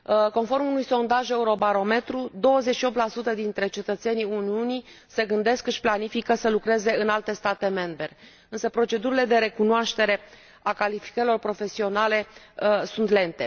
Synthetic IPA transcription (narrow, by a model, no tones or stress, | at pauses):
ko̞nfo̞rmunujso̞nd̪aʒe̞uɾo̞baɾo̞me̞t̪ɾud̪o̞wəze̞t͡ʃʃio̞p̚t̪lasut̪əd̪int̪ɾe̞t͡ʃe̞t̪ət̪se̞niuniuni | se̞ɡɨnd̪e̞skɨʃplanifikəsəlukɾe̞ze̞ɨnalt̪e̞st̪at̪e̞me̞mbe | ɨnsəpɾo̞t͡ʃe̞d̪uɾile̞d̪e̞ɾe̞kunoaʃt̪e̞ɾe̞ | akalifi̥kəɾilo̞rpɾo̞fe̞sio̞nale̞ | sunt̪le̞nt̪e̞